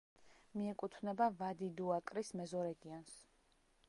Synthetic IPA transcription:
miɛkʼut̪ʰvnɛbavad̪id̪uakʼɾismɛzɔɾɛɡians

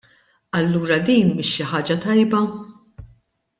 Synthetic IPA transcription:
ɐlːuːɾɐd̪iːnbɪʃːɪħɐːd͡ʒɐt̪ɐjbɐ

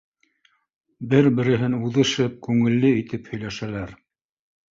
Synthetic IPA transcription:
bɘɾbɘ̆ɾɘ̆ɦɘnuðɤ̆ʃɤp̚kʉŋɘ̆lːɘit̪ɘphɵ̆jlæʃælæɾ

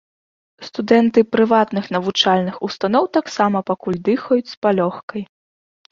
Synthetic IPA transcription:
st̪ud̪ɛnt̪ɨpɾɨvat̪nɨxnɐvut͡ʂalʲnɨxust̪anɔwt̪aksamɐpakulʲd̪ɨxɐjut͡sʲspalʲɔxkɐj

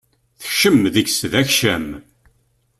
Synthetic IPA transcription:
θəçʃəmðəçsðæçʃæm

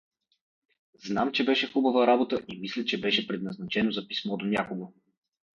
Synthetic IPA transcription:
zna̰mt͡ʃɛbɛʃɛxubɐvəɾabot̪əʔimislʲət͡ʃɛbɛʃɛpɾɛd̪nɐznɐt͡ʃɛnozɐpismɔd̪onʲakoɡo

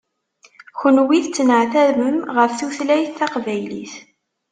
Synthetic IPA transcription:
çənwiθt͡sːənʕθæðməmʁəfθuθlæjθːɑqvæjlḭθ

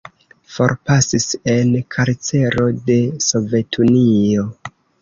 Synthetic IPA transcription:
fo̞̰ɾpasise̞nkʰaɾt͡se̞ɾo̞de̞so̞ve̞tʰunio̞

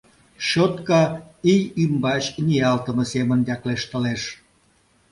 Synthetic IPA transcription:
ɕot̪kɑijymbɑɕniɑlt̪əməsemənd̪ʲɑkleʃt̪əleʃ

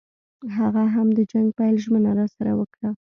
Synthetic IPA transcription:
ɦaɣaɦamd̪əd͡ʒaŋɡpajlʒmənaɾɑsaɾa̰wəkɽa

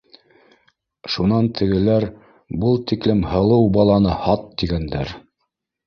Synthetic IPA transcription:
ʃunɑnt̪ʰɘ̆ɡɘ̆læɾ | bɤlˠt̪iklɘmhɤ̆lˠɤwbɑlˠɑnɤhɑt̪ːiɡænd̪æɾ

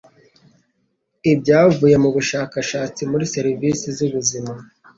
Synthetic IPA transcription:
ibɟaːvuːje̞muβuʃaːkaʃaːt͡simuɾiseɾiviːsizuβuzima

